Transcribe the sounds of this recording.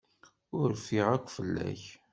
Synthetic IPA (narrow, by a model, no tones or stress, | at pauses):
ʊɾfiʁækʷːfəlːæ̰ç